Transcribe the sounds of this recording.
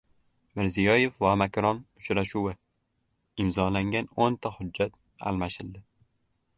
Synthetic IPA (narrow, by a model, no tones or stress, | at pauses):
mɪɾzijɒje̞fvamakɾɒnʊt͡ʃɾaʃuwɪ | ɪmzɒlaŋɡʲanont̪ʰahʊd͡ʒːat̪̚ | a̰lˠmaʃɪld̪ɪ